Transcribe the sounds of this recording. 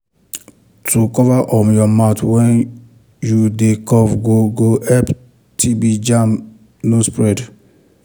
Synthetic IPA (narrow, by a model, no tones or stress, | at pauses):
tʰukɔvaʔɔ̃mjɔmatwɛ̃n | judekɔvɡoɡoɛp | tʰibid͡ʒãm | nospɹɛd